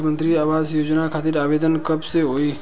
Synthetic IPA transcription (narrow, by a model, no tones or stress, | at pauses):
mə̃nt̪ɾiaːʋaːzjoːd͡ʒnakʰaːt̪ɪɾaːʋeːd̪ənkɐbseɦoːiː